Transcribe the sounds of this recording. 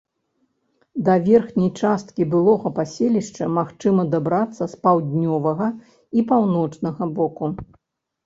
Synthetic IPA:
d̪ɐvʲɛrxnʲɐjt͡ʂast̪̚kʲibɨlˠɔɣɐpasʲelʲiʂt͡ʂɐmaxt͡ʂɨmɐd̪abɾat̪sːɐspawd̪ʲnʲɔvɐɣɐ | ipawnɔt͡ʂnɐɣɐbɔku

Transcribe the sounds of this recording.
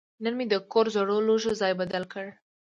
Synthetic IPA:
nənmed̪əkoɾzoɽoloʒozɑjbad̪alkəɽ

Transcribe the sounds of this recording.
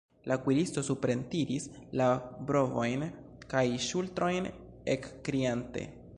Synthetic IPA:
lʔakwiɾisto̞supɾe̞ntiɾislabɾo̞vo̞jn | kajʃultɾo̞jn | ekːɾiante̞̰

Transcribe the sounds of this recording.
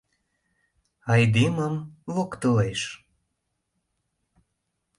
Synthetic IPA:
ɑjd̪iməmvokt̪əleʃ

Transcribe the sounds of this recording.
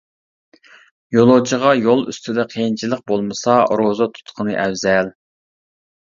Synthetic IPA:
jolˠod͡ʒiʁɑjolˠy̰st̪ʰyd̪ɛqʰejnt͡ʃʰilˠəq̚bolˠmɨsɑɾozɑt̪ʰu̥t̪qʰənɨʔɛwzɛl

